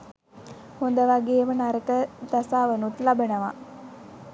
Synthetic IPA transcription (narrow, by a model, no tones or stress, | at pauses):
hond̪əʋaɡeːmənaɾət̪əd̪asaːʋənut̪labənəʋa̰